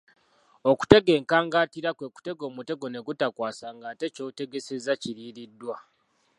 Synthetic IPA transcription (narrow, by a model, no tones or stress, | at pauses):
o̞ku̥te̞ɡe̞ːŋkaːŋɡaːtiɾakwe̞ku̥te̞ɡo̞ːmute̞ɡo̞ne̞ɡutakwaːsaŋɡaːte̞co̞te̞ɡese̞zaciɾiːɾidːwa